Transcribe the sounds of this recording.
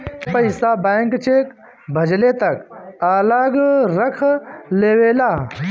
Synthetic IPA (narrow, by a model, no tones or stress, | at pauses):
pɐɪsabeːŋkt͡ʃeːk | bʱɐd͡ʒlet̪ɐkaːlaɡɾɐkʰleːweːlaː